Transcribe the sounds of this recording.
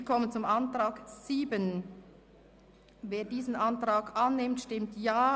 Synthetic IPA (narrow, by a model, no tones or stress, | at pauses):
kʰɔmənt͡sʊmʔantʁaːɡsiːbən | veːɐdiːzən̩ʔantʁaːɡanːɪmtʃtɪmtjaː